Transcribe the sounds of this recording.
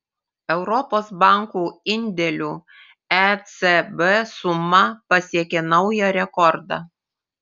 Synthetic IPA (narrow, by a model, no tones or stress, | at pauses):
ɛʊɾɔpoːsbɑˑŋkuːɪnʲd̪ʲɛlʲuː | ɛsɛbɛsʊmɐpɐsʲiɛkʲɛnɐʊjɛɾʲɛkɔɾd̪ɑ̰